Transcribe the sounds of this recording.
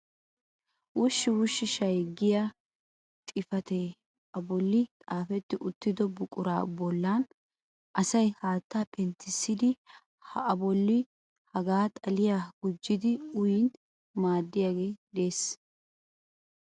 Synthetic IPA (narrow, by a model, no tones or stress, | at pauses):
wʊʃːɪwʊʃːɪʃɐjɡɪja | t̪ʼɪfɐt̪e | ʔɐbɔlːɪtʼaːfɛt̪ːɪʔʊt̪ːɪd̪ɔbʊkʼʊɾa̰ːbɔlːan | ʔɐsɐjhaːt̪ːaːpɛnt̪ːɪsːɪd̪ɪ | hɐɐbɔlːɪ | hɐɡaːt̪ʼɐlɪjaːɡʊd͡ʒːɪd̪ɪʊjɪn | maːd̪ːɪjaːɡe̞ːd̪e̞ːs